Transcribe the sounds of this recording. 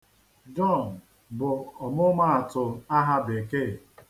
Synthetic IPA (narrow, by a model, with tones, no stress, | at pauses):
d͡ʒɔ˦˨n˨ | bʊ˨ɔ˨mʊ˦ma˦a˨tʊ˨a˦ɦa˦be˨ke˦˨